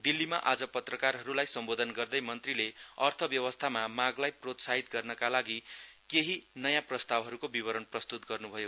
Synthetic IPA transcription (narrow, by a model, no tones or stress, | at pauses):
d̪ilːimaʔad͡zʌpʌt̪rʌkarɦʌɾulajsʌmbod̪ʱʌnɡʌrd̪ʌjmʌnt̪rileʌrt̪ʰʌbjʌwʌst̪ʰamamaɡlajprot̪saɦit̪ɡʌrnʌkalaɡikeɦinʌjãprʌst̪awɦʌɾukobibʌɾʌnprʌst̪ut̪ɡʌrnubʱʌjo